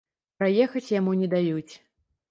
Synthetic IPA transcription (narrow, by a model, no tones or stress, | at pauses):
pɾajɛxɐt͡sʲjamunʲɛd̪ajut͡sʲ